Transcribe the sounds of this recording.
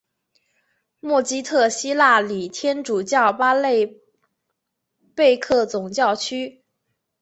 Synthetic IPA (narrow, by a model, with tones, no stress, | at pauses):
mwɔ˥˩t͡ɕi˥t̪ʰɤ˥˧˩ɕi˥la˥˩li˨˩t̪ʰjɛ˥nʈ͡ʂu˨˩t͡ɕjɑ˥˩ʊpa˥le˥˧ɪ | pe˥˧ɪkʰɤ˥˩t͡sʊ˨˩ŋt͡ɕjɑ˥˩ʊt͡ɕʰy˥